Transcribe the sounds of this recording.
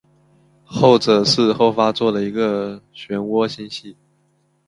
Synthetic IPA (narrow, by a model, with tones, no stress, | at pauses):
xo˥˩ʊʈ͡ʂɤ˨˩ʂɻ̩˥˧xo˥˩ʊfa˥t͡swɔ˥˩d̪ə˩i˧˥ɡə˧ɕɥɛ˧˥nwɔ˥ɕɛ˥˧nɕi˥˩